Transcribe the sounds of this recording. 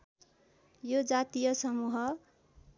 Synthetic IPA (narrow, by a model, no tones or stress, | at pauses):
jod͡zat̪ijʌsʌmuɦʌ